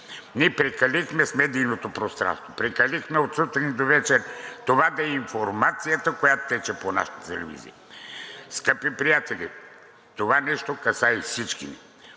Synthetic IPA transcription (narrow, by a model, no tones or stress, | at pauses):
niɛpɾɛkɐlixmɛsmɛd̪ijnot̪opɾost̪ɾa̰nst̪vopɾɛkɐlixmɛot̪sut̪ɾinid̪ovɛt͡ʃɛɾʲt̪ovad̪ɐɛiɱfoɾmat̪sijət̪əkojat̪o̥t̪ɛt͡ʃɛpona̰ʃə̥t̪ət̪ɛlɛ̰vḭzḭə | skəpipɾijat̪ɛli | t̪ovanɛʃt̪okɐsaifsit͡ʃkinḭ